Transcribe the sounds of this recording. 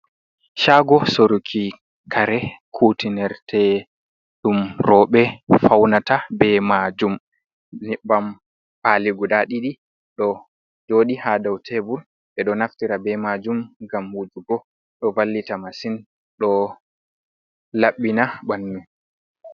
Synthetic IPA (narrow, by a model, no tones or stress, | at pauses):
ʃaːɡɔsoɾukʰi | kʰaɾɛkʰutinɛɾtʰɛ | ɗumɾɔɓɛfawnatabɛmad͡ʒum | nɛbam | paliɡudaɗiɗi | ɗɔ | d͡ʒoːɗihadawtʰebul | ɓɛɗɔnaftiɾabɛmad͡ʒumɡamhud͡ʒuɡɔ | ɗɔvalːitamasin | ɗɔ | laɓːinabanːum